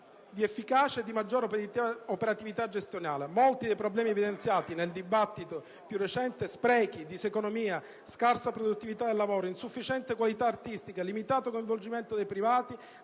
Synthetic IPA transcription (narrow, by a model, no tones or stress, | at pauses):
d̪iefːikaːt͡ʃeːd̪ːimad͡ʒːoːɾopeɾat̪ivit̪ad͡ʒest̪jonaːlemolt̪id̪ejpɾoblɛːmievid̪ent̪sjaːt̪ineld̪ibat̪ːit̪o | pjurːet͡ʃɛnt̪espɾɛːk̟id̪isekonomiːa | skarsapɾod̪ut̪ːivit̪ad̪elːavoːɾoinsufːit͡ʃɛnt̪ekwalit̪aːrt̪ist̪ikalimit̪aːt̪okoiɱvold͡ʒimɛnt̪od̪ejpɾivaːt̪i